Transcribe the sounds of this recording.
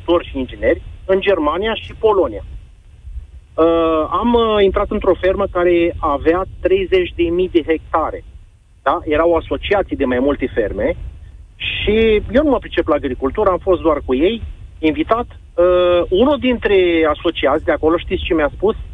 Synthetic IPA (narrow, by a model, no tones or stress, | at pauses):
ut̪o̞rʲʃiind͡ʒine̞rʲɨnd͡ʒe̞rmanijaʃipo̞lo̞nija | əamint̪ɾat̪ɨnt̪ɾo̞fe̞rməkaɾe̞aveat̪ɾe̞jze̞t͡ʃʲd̪e̞mijd̪e̞ɦe̞k̚t̪aɾe̞ | d̪̥aje̞ɾawaso̞t͡ʃiat̪sijd̪e̞majmult̪e̞fe̞rme̞ | ʃije̞wnuməpɾit͡ʃe̞plaːɡɾikult̪uɾəamfo̞st̪̚d̪oarkuje̞jinvit̪at̪ | əunud̪int̪ɾe̞aso̞t͡ʃiat̪sʲd̪eako̞lo̞ʃt̪it̪sʲt͡ʃe̞mjaspus